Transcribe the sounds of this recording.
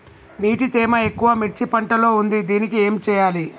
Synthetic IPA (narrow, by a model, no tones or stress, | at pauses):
niːʈit̪eːmɐe̞kːuʋɐmit͡ʃːipɐɳʈɐlo̞ːund̪id̪iːnikie̞ːmt͡ʃɛːjaːli